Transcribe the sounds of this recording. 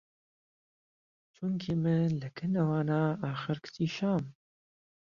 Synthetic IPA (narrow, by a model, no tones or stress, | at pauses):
t͡ʃʰʊŋkʰimɨlɨkʰɨnawaːnaːaːxɨɾkʰt̪ʰiːʃaːm